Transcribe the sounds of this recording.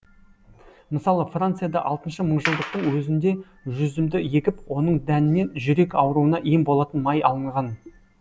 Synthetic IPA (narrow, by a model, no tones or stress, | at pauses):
məsɑlˠəfrant̪sɨjad̪ɑ̰ʔɑlˠt̪ənʃəməɴʒəlˠd̪əq̚t̪əɴwɵzɪnd̪e̞ | ʒʏzɪmd̪ɪje̞kʲɪpwo̞nəɴd̪ænɪme̞nʒʏɾe̞kɑwɾuənɑʔijmbo̞lˠɑt̪ənmɑjɑlˠəɴʁɑn